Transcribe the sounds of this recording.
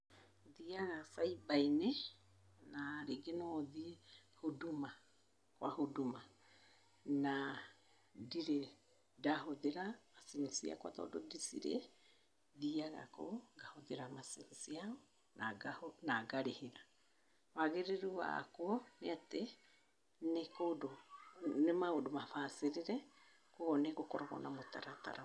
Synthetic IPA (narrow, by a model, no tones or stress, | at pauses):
ðiaɣasaibaine | naɾeɡenɔðiehoduma | kwahoduma | na | diɾe | daɦoðeɾamasinsia̰kwa̰tɔ̰dɔdisḭɾḛ | ðiaɣa̰ko̰ŋɡahoðeɾamasinisiao | naanaɡaɾeheɾa | waɣeɾeɾuwa̰kwɔneate | nekodonemaodomafaseɾeɾɛ | koɣɔneɣokɔɾaɣɔ̰namota̰ɾata̰ɾa